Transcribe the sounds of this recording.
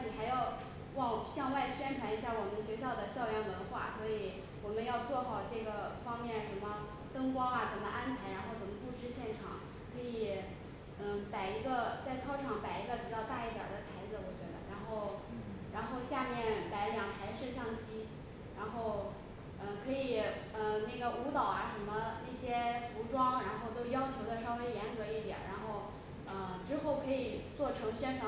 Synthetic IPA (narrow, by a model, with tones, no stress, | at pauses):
i˨˩xa˧˥ɪjɑ˥˧ʊ | wɑ˥˧ŋɕjɑ˥˧ŋwa˥˩ɪɕɥɛ˥ntʰwa˧˥ni˧˥ɕja˥˩wɔ˨˩mə˦nɕɥɛ˧˥ɕ̬jɑ˥˩ʊd̪ə˩ɕjɑ˥˧ʊlɥɛ˥˩nwə˧˥nxwa̰˥˩swɔ˧˥i˨˧˩ | wɔ˨˩mə˦njɑ˥˧ʊt͡swɔ˥˩xɑ˨˩ʊʈ͡ʂɤ˥˩ɡə˩fɑ˥ŋmjɛ˥˩nʂə˧˥nmə˧ | t̪ɤ˥ŋkwɑ˥ɐ˨t͡sə˨˩nmə˦ʔa˥npʰa˧˥ɪɻa˧˥nxo˥˩ʊt͡sə˨˩nmə˦pu˥˧ʈ͡ʂɻ̩˥˧ɕjɛ˥˩nʈ͡ʂʰɑ̰˨˩˦ŋ | kʰɤ˧˥i˨˩˥ | pa˨˩ɪi˧˥ɡə˧t͡sa˥˩ɪt͡sʰɑ˥ʊʈ͡ʂʰɑ˨˥˦ŋpa˨˩ɪi˧˥ɡə˧pi˨˩t͡ɕjɑ˥˧ʊt̪a˥˧i˥˩t̪jɑ̰˨˩d̪ə˦t̪ʰa˧˥ɪd͡zɹ̩˧wɔ˨˩t͡ɕɥɛ̰˧˥d̪ə̰˧ɻa˧˥nxo˥˩ʊ | ɻa˧˥nxo˥˧ʊɕja˥˧mjɛ˥˩nla˧˥ɪljɑ˨˩ŋt̪ʰa˧˥ɪʂɻ̩˥˧ɕjɑ˥˩ŋt͡ɕi˥ | ɻa˧˥nxo˥˩ʊ | ə˧kʰɤ˧˥i˨˩ə˧˩na˥˩ɡə˩u˧˥t̪ɑ˨˩ʊa˦ʂə˧˥mə˧na˥˩ɕjɛ˥fu˧˥ʈ͡ʂwɑ˥ŋɻa˧˥nxo˥˩ʊt̪o˥ʊjɑ˥ʊt͡ɕʰjo˧˥ʊd̪ə˧ʂɑ˥ʊwe˥ɪjɛ˧˥nkɤ˧˥i˥˩t̪jɛ̰˨˩nɻa˧˥nxo˥˩ʊ | ə˧ʈ͡ʂɻ̩˥xo˥˩ʊkʰɤ˧˥i˨˩t͡swɔ˥˩ʈ͡ʂʰɤ˧˥ŋɕɥɛ˥nʈ͡ʂʰwɑ˧˥